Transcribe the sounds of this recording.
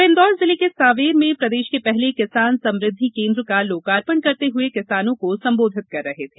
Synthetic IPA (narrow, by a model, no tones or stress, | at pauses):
ẽːnd̪ɔːɾzɪlikesaːʋeːɾmẽpɾɐd̪eːʃkepɛɦlekɪsaːnsɐ̃mɾɪd̪ʱːikẽːnd̪ɾkaloːkaːɾpəɳkɐɾt̪eɦʊekɪsaːnõkosɐ̃mboːd̪ʱɪt̪̚kɐɾːɐɦet̪ʰeː